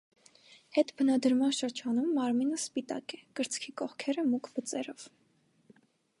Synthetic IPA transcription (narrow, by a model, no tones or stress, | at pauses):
hɛt̪bənɑd̪əɾmɑnʃəɾd͡ʒɑnumːɑɾminəspit̪ɑ̰kɛkəɾt͡sʰkʰikɔχkʰɛɾəmukʰbət͡sɛɾɔv̥